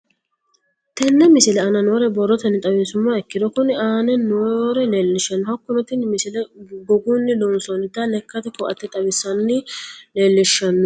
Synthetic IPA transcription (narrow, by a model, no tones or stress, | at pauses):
t̪ɛnːɛmɪsɪlɛɐnɐno̞ːɾɛbɔrːɔt̪ɐnːɪt̪ʼɐbeːsʊmːaːɛkːɪd̪ɔkʊnɪaːnɛnoːɾɛleːlːɪʃɐnːɔhɐkːʊnɔt̪ɪnmɪsɪlɛɡɔɡuːnːɪd̪ɔnsɔnɪt̪ːalɛkːɐt̪ɛkɔʔɐ̰t̪ːɛt̪ʼɐbɪsːɐnːɪleːlːɪʃːɐnːɔ